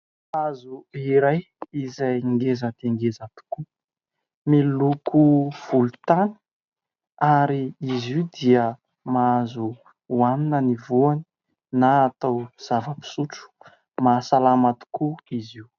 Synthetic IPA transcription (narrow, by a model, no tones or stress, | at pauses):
azuiɾaj | izajŋɡezəd̪̥eŋɡezat̪u̥ku | milukʰuv̥ulut̪ani̥ | aɾiiziwd̪iə | maazu | aninənivuani̥ | naːt̪awz̥avəpi̥suʈ͡ʂu̥ | masalamat̪u̥kuiziw